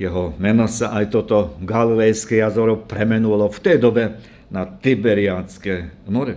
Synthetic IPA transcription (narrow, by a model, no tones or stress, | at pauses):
jɛɦɔmɛnɔsaʔajt̪ɔt̪ɔɡalilɛjskɛjazɔɾɔpɾɛmɛnulɔft̪ɛjd̪ɔbɛ | nat̪ibɛɾiat͡skɛnɔɾɛ